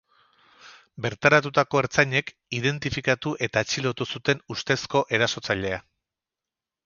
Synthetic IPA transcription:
be̞ɾt̪aɾat̪ut̪ako̞eɾt͡saɲe̞k | ið̞e̞nt̪ifikat̪uʔe̞t̪aet͡ʃilo̞t̪usut̪e̞nust̪e̞sko̞ʔe̞ɾaso̞t͡saʎe̞a

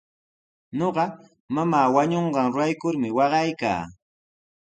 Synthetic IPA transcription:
ɲoɢɑ | mamaːwaɲoɴɢɑŋɾʊajkʊɾmɪwɑɢɑjka̰ː

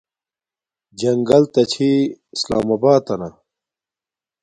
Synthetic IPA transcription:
d͡ʑɐŋɡɐlt̪ɐt͡ɕʰiisla̰ːmɐbaːt̪ɐnɐ

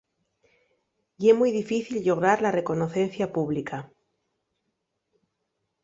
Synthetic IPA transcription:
iemujðifiθilʎo̞ɣ̞ɾaɾlare̞ko̞noθe̞n̟θjapuβlika

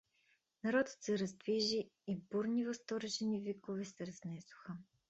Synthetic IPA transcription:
nɐɾɔd̪ə̥t̪sɛɾɐzd̪viʒiːbuɾnivɐst̪ɔɾɛʒɛnivikovɛsɛɾɐznɛsʊ̥xə

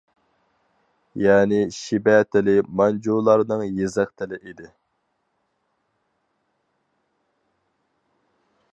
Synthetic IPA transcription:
jɛːnɪʃibɛːt̪ʰɪlɪmɑnd͡ʒulˠɑɾnɨŋjezæχt̪ʰɪlɪʔid̪ɪ

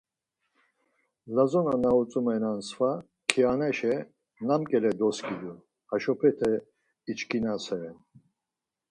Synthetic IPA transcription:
lazɔnanaut͡sʼumɛnansva | kʰianɛʃɛ | namkʼɛlɛd̪ɔskʼid̪u | haʃɔpʰɛt̪ʰɛ | it͡ʃkʰinasɛɾɛn

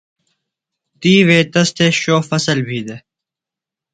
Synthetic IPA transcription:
t̪iːʋeːt̪ɐst̪ʰeːɕoːfɐsəlbʱiːd̪eː

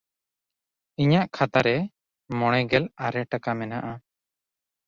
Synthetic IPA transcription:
iɲaʔkʰat̪aɾɛ | mɔɽ̃ɛɡɛlaɾɛʈakamɛnaʔa

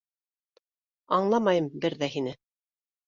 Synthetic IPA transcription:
ɑɴlˠɑmɑjɤmbɘɾðæɦinɘ

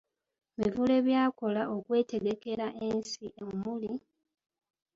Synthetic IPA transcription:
mivule̞βjaːko̞laʔo̞kwe̞ːte̞ɡe̞ke̞ɾaʔensiʔomuli

